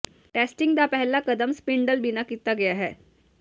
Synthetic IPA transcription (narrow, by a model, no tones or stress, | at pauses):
ʈæsʈiŋɡd̪apəɦɛlakəd̪əmspiɳɖəlbinakit̪ːaɡeaɦɛ